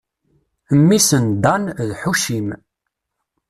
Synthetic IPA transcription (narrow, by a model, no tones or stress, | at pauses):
əmːisənd̪ɑnðħuʃim